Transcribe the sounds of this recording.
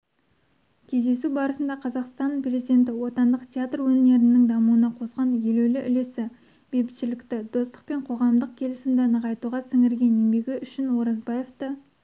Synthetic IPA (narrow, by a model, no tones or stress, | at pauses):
kʲʰezd̪e̞subɑɾəsənd̪ɑqʰɑzɑqst̪ɑnpre̞zid̪e̞nt̪ɪwo̞t̪ɑnd̪əqt̪ʲʰeat̪rwɵne̞ɾɪnːɪŋd̪ɑmuənɑqʰo̞sqɑnje̞lɵwlɪʔʏle̞sɪ | b̥epɪt̪ʃɪlɪkt̪ɪd̪o̞st̪ə̥q̚pe̞ɴqʰo̞ʁɑmd̪əq̚kʲʰe̞lɪsɪmd̪ɪnəʁɑjt̪uʁɑsɪŋɪɾɡʲe̞nembe̞ɡʲɪʔʏʃɪnwo̞ɾɑzbaje̞ft̪ə